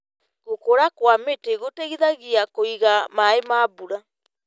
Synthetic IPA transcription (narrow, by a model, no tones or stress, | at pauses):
ɣokoɾakwameteɣoteɣiðaɣiakoiɣamaemaːbuɾa